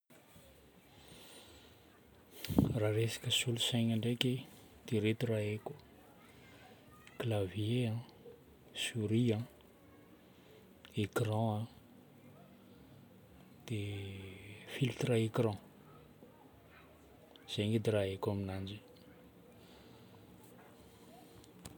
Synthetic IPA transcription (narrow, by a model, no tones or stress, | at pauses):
raɾesḁkəsulusajɲaɳɖ͡ʐeki | d̪̥eɾet̪uraeku | klavjeã | suɾiã | ekrɑ̃a | d̪̥e | filt̪raekrɑ̃ | z̥eŋed̪eɾaekaminand͡ʒi